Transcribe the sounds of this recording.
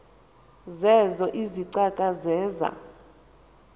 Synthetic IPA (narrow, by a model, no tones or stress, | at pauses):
zɛzɔʔiziǀakʼazɛːza̰